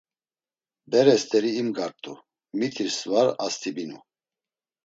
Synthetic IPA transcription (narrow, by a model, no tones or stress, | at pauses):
bɛɾɛst̪ʰʼɛɾiːmɡaɾt̪ʼṵ | mit̪ʰiɾsvaɾast̪ʰibinṵ